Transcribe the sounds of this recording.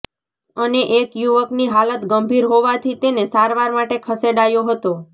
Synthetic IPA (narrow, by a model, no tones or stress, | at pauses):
əneʔekjuʋəkniɦalət̪ɡəmbʱiɾɦoʋat̪ʰit̪enesaɾʋaɾmaʈekʰəseɖajoɦət̪o